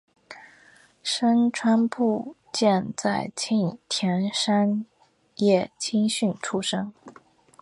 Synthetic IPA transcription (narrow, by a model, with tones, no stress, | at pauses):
ʂə˥nʈ͡ʂʰwa˥npʰu˥˧ | t͡ɕjɛ˥˧nt͡sa˥˩ɪt͡ɕʰi˥˧ŋt̪ʰjɛ˧˥nʂa˥n | jɛ˥˩t͡ɕʰi˥ŋɕy˥˩nʈ͡ʂʰu˥ʂɤ˥ŋ